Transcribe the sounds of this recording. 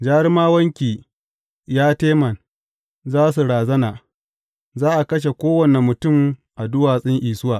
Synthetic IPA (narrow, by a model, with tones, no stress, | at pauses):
d͡ʒaː˦ɾmaː˦wɐ˦ŋkʲiː˨ | jaː˦teː˦mɐ˨n | zaː˦s̬u˨ɾaː˨zɐ˦naː˨ | zaː˦ʔa˨kɐ˦ʃ̬e˨kʷoː˦wɐ˨ne˨mʊ˨tʊ˦˨mʔa˨dʊ˦waː˨sʼɪ˦ŋʔiː˨sʊ˦waː˨